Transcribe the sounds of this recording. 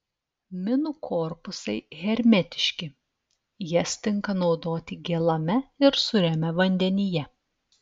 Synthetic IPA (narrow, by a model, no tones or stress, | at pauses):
mʲɪnukʰɔːɾpʊsɐɪɣʲɛɾʲmʲɛt̪ʲɪ̥ʃʲkʲɪ | jɛsʲt̪ʲɪŋkɐnɒʊd̪oːt̪ʲɪɡʲelˠɐmʲɛɪɾsʊɾʲɛmʲɛʋɐnʲd̪ʲɛnʲɪjɛ